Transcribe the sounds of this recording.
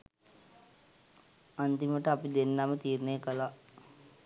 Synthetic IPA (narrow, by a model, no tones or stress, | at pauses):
ant̪iməʈəapid̪enːamət̪iːɾnejəkəla